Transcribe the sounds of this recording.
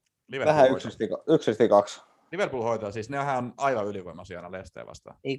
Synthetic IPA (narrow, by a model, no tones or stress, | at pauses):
liʋeʋæhæyksest̪ikɑyksest̪ikɑks | liʋerpuːlhoit̪ɑːsiːsneɦæːonɑiʋɑyliʋoimɑsiɑ̰nɑlest̪ḛːʋɑ̰st̪ɑ̰e